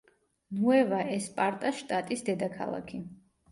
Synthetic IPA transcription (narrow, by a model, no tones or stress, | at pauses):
nuɛvaʔɛspʼaɾt̪ʼaʃt̪ʼat̪ʼisd̪ɛd̪akʰa̰lˠa̰kʰi